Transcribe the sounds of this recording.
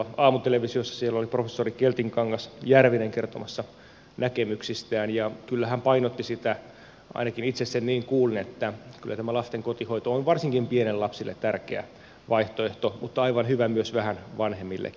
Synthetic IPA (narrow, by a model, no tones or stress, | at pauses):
ɑːmut̪eleʋisiosːɑ̥sielːoliprofesːorikelt̪iŋkɑŋːɑsjærʋineŋkert̪omɑsːɑ | nækemyksist̪æːnjɑkylːæhæmpɑinot̪ːisit̪æ | ʔɑ̰inɑkinit̪sessenniːŋkuːlniet̪ːækylːæt̪æmælɑst̪eŋkot̪ihoit̪oonʋɑrsiŋkimpienellɑpsilːḛt̪t̪ærkeæ̰ | ʋɑiht̪oeht̪omut̪ːɑɑiʋɑnhyʋæmyøsʋæhænʋɑnhemːilːʔḛ